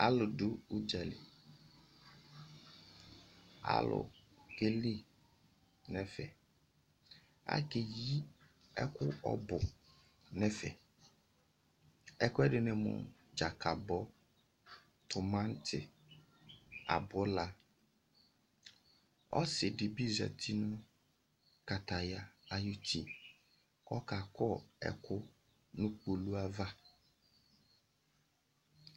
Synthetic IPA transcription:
a˨lʊ˨dʊ˦u˦d͡ʒɛ˨lɪ̰˨ | a̰˦˨lʊ̰˨ɡe˦li˦ | nɛ̃˦fɛ̰˨ | a̰˦ke˨ji˦ | ɛ̰˦kʰʊ˦ɔ̰˦bʊ˨ | nɛ̃˦fɛ̰˨ | ɛ˦kʊ˦ɛ˦dɪ˨nɪ̃˦mʊ̰̃˨d͡ʒa˨kʰa˨bɔ˦ | tʰʊ˨mã˦n̩˦tʰɪ˨ | a̰˨bʊ˦la˨ | ɔ̰˦sɪ˨dɪ˨bi˦za̰˨tʰi˦nʊ̃˦ | ka˨ta˨ja˨a˨ju˦tʰi˨ | kɔ˦ka˨kɔ˦˨ɛ̰˨kʰʊ˦ | nʊ̃˦k͡po˨lu˦a˦va˦

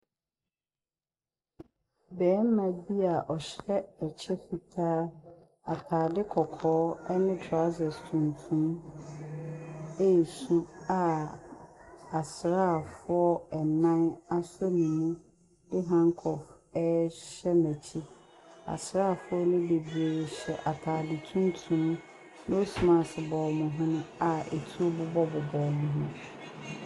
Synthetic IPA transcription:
bɛː˨˦mã˨bi˦a˨ʔɔ˨ɕɾɛ˦ɛ˨t͡ɕʰɛ˦fi˨tʰaː˦ | a˨kʰaː˨dɪ˦kʰɔ˨kʰɔː˦ɛ˦nʊ̃˦tʰa˨˦zɛ˨stʰũ˨ntʰũ˦m | e˦i˨sũ˦a˨ | a˨sɾaː˦˨fʊ˦ɔ˦ɛ˨nã˦na˦sʊ˦nĩ˨mũ˦ | dɪ˦ɦã˦ŋkʰɔ˨f | ɛ˦ɕɛ˦mæ̃˨t͡ɕʰi˦ | a̰˨sɾa˦˨fʊ˦ɔ˦nʊ̃˦de˨bi˨e˨ɕɛ˨ʔa˨tʰaː˨dɪ˨tʰũ˦n˦tʰũ˨˦m˦ | no˦smã˨sbɔː˨mʊ̃˨ɦʊ̃˦nʊ̃˦a˨e˨tʰu˦o˦bʊ˦bɔ˦bɔ˨bɔː˨mʊ̃˨ɦʊ̃˦

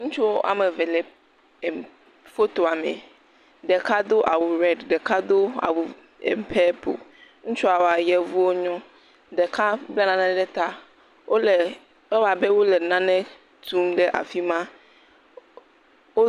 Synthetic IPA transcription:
ŋũ˦t͡ʃu˦wo˦ʔa̰˨mɛ̃˨ve˨lɛ˨ | fo˦t̪o˨a˨mɛ̰̃˨ | ɖɛ˨ka˦d̪o˦ʔa˨wu˨ɾɛ˦dɖɛ˨ka˦d̪o˦a̰˨wu˨ | ḛ˨mpʰɛ˦po̰˨ŋũ˦t͡ʃu˦a˨wa˨jɛ˨vu˦wo˦ɲɔ̃˦ | ɖɛ˨kʰa˦blɛ˦nã˨nã˦ɖɛ˦t̪a˦ | wo˦lɛ˨ | ɛ˦wa˨bɛ˦wo˦lɛ˨nã˦nɛ̃˦ | t̪ʰu˦mɖɛ˦ʔa̰˨fi˦mã˦ | wo˦

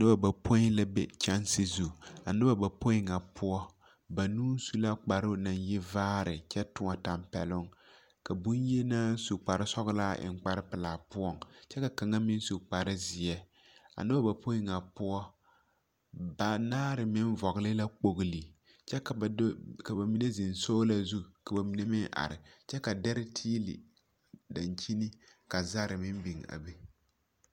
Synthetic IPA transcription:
nɨ˦ba˨ba˨pʰo˦i˦la˦bɛ˦t͡ʃa˦nsɪ˦zu˨a˨nɨ˦ba˨ba˨po˦ɪ˦ŋa˨pʰʊ˦ɔ˦ | ba˨nuː˦su˦la˦k͡pa˨ɾʊ˦na˨njɪ˦vaː˦ɾɪ˨t͡ʃɛ˦tʊ˨ŋa˨ta˨mpɛ̰˨lʊ˦ŋ | ka˨bu˦nje˦na˦su˨k͡pa˨ɾɪ˦sɔ˦ɣla˦ʔɪ̰˨ŋ˦k͡pa˦ɾɪ˦pɪ˨laː˨pʊ˦ɔ˦ŋt͡ʃɛ˦ka˨ka˨ŋa˦mɪ˦n˦su˨k͡pa˨ɾɪ˦zɪ˨ɛ˦ | a̰˨nɨ˦ba˦ba˨pʰo˦i˦ŋa˨pʊ˦ɔ˦ | ba˨naː˦ɾɪ˨mɪ˦n˦vɔ˨ɣlɪ˦la˦k͡po˨ɣli˨ | t͡ʃɛ˦˨˦ka˨ba˨mi˨˦ne˦zɪ˨nsoː˦la˦zu˦ka˨ba˨mi˨ne˦mɪ˦ŋʔa̰˨ɾɪ̰˨t͡ʃɛ˦ka˨dɛ˦ɾɪ˦tʰiː˦lḭ˨ | da˨nt͡ʃi˦nɪ˦ | ka˨za˦ɾɪ˨mɪ˦m˦bi˨ŋa̰˨bi˦

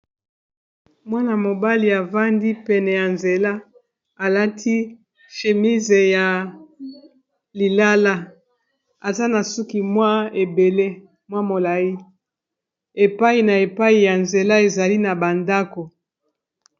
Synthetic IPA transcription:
mwa˦na˨mo˨ba˦li˨a˨va˦ndi˦pɛ˨nɛ˨ja˨nze˨la˦ | a˨la˦tʰi˦ | ʃe˨mi˦ze˨ja˨ | li˨la˦la˦ | a˨za˦na˨su˦ki˨mwa˦e˨be˨le˦ | mwa˦mo˨la˨ji˦ | e˨pa˦i˨na˨e˨pa˦i˨ja˨nze˨la˦e˨za˨li˦na˨ba˨nda˦ko˨

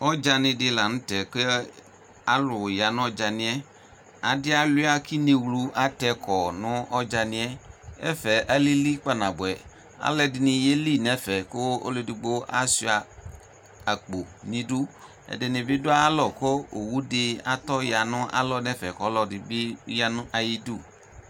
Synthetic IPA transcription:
ɔ˦d͡ʒa˦nɪ̃˨dɪ˦la˨nʊ̃˦tɛ˨ke˦ | a˦lʊ˨ja˨nʊ̃˦ɔ˦d͡ʒa˨nɪ̃˦ɛ˦ | a˨dɪ˦a˦lʊ˦a˦ki˦ne˨wlu˨ʔa˦tɛ˨kʰɔ˨nʊ̃˦ɔ˦d͡ʒa˨nɪ̃˨ɛ˦ɛ˦fɛ˨ʔa˦li˦li˦k͡pa˦nã˨bʊ˨ɛ˨ | a̰˨˦lɛ˦dɪ˨nɪ̃˧je˦li˦˨nɛ˦fɛ˨ko˦o̰˦le˨di˨ɡ͡bo˦a̰˦si˦a˨ | a˨k͡po˨nĩ˨du˦ | ɛ̰˨dɪ˨nɪ̃˨bɪ˦dʊ˦a˦lɔ˨ko˦o˨wu˦dɪ˧a˨t̪ɔ˦ja˨nʊ̃˦a̰˦lɔ˦nɛ˦fɛ˨kɔ˨˦lɔ˨dɪ˨bɪ˦ja˦nʊ̃˦ʔa˨ji˦du˦˨

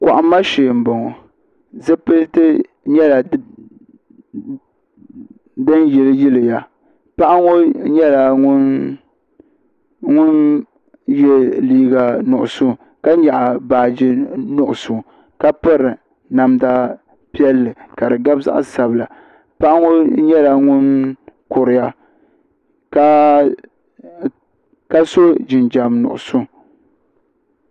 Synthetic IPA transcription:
kʷa˨ʔa˨mː˦a˦ʃeː˨m̩˨bo˨ŋo˨ | zɨ˦pɨ˦ltɨ˦ | ɲɛ˦la˨ | dɨ˦njɛ˨lɨ˦ji˦lɨ˨ja˨ | pa˦ʔa˦ŋo˦ɲɛ˦la˨ŋʊ˦n | ŋʊ˦n | jɛ˦liː˦ɡa˨nʊ˨ʔʊ˨su˦˨ | ka˦ɲa˨ʔa˨baː˨d͡ʒɪ˦nʊ˨ʔʊ˨sʊ˨ | ka˦pɨ˦ɾɨ˨ | na˨mda˦ | pi˦ɛ˦lːɨ˨ka˨dɨ˨ɡa˦bza̰˦ʔsa˨bɨ˨la˨ | pa˦ʔa˦ŋo˦ɲɛ˦la˨ŋʊ˦nkʊ˨ɾɪ˨ja˦ | ka˦ | ka˦so˦d͡ʒɪ˨nd͡ʒa˨mnʊ̰˨ʔʊ̰˨sʊ˦˨

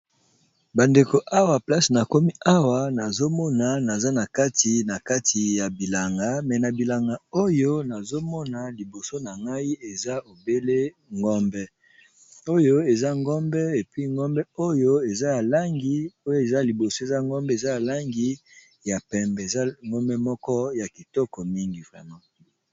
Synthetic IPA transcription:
ba˨nde˨ko˨ʔa˦wa˨pla˦sna˨ko˦mi˦a˦wa˨na˨zo˦mɔ˦na˨na˨za˦na˨ka˦tʰi˨na˨ka˦tʰi˨ja˨bi˨la˨ŋɡa˨˦mɛ˨na˨bi˨la˨ŋɡa˨o˦jo˦na˨zo˦mɔ˦na˨li˨bo˨so˦na˨ŋɡa˦i˦e˨za˦o˨be˦le˦ | ŋɡɔ˦mbɛ˦ | o˦jo˦e˨za˦ŋɡɔ˦mbɛ˦e˨pɥi˦ŋɡɔ˦mbɛ˦o˦jo˦e˨za˦ja˨la˦ŋɡi˦o˦jo˦e˨za˦li˨bo˨so˦˨e˨za˦ŋɡɔ˦mbɛ˦e˨za˦ja˨la˦ŋɡi˦ | ja˨pɛ˨mbɛ˨za˦ŋɡɔ˦mbɛ˦mɔ˦kɔ˦ja˨ki˨tɔ˦kɔ˨mi˦ŋɡi˨fa˨na˦

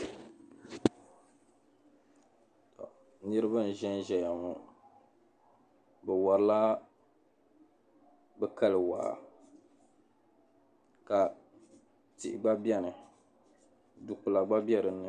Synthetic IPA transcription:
t | nɨ˦ɾɨ˦ba˦n̩˨ʒɛ˦n˦ʒɛ˨ja˨mu˨ | bɛ˨wa˨ɾɨ˦la˦ | bɛ˦ka˦lɨ˨wa̰˨ | ka˨ | ti˨ʔɪ˨ɡ͡ba˦bjɛ˦nɨ˨ | du˨ku˨la˨ɡ͡ba˦bi˦ɛ˦ɾɨ˨nːɨ˨

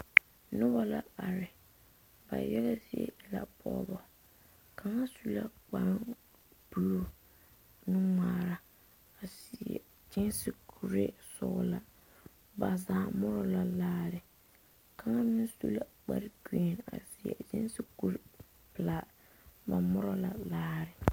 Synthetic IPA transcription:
nʊ˦ba˦la˨a˨ɾɪ˨ | ba̰˨jɛ˦ɣa˦zɪ˨ḛ˦la̰˨pʰɔ̰˨˦bɔ˨ | ka˨ŋa˦su˦la˦k͡pa˨m˦ | b̥u˦o˦ | nɪ˦ŋaː˨ɾa˨ | a˨si˨ɛ̰˨ | t͡ʃɪ˦nsɪ˦kʰu˨ɾe˦sʊ̰˦ɣla˨ | ba˨zaː˨mʊ˦ɾɔ˨˦la˨laː˦ɾɪ˨ | ka˨˦ŋa˦nɪ˦n˦su˦la˦˨k͡pa˦ɾki˦e˨na̰˨si˨ɛ̰˨d͡ʒɪ˦n˦si˦ku˦ɾ | pɨ˨la˨ | ba˨mʊ˦ɾɔ˦la˨laː˦ɾɪ˨

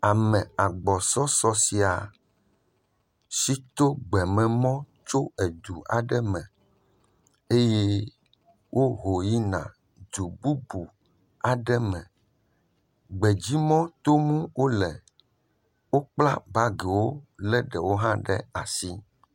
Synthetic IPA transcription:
a˨mɛ̃˨a˨ɡ͡bɔ˨sɔ˦sɔ˦si˨a˨ | si˦t̪o˦ɡ͡bɛ˨mɛ̃˨mɔ̃˦ | t͡ʃo˦e˨d̪u˨a̰˨ɖɛ˦mɛ̃˨ | e˦je˦ | wʔo˦ɦo˨ji˦nã̰˨ | d̪u˨bu˦bu˨ | a˨ɖɛ˦mɛ̃˨ | ɡ͡bɛ˨d͡ʑi˦mɔ̃˦t̪o˦ŋũ˦wo˦lɛ˨ | wo˦k͡pla˦ba˦ɡe˨wo˦lɛ˦ɖɛ˨wo˦ɦã˦ɖɛ̰˦a̰˨si˦

